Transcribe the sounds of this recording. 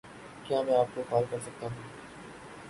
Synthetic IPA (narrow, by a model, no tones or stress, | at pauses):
kjaːmɛ̃ːaːp̚kokaːlkəɾsək̚t̪aːɦː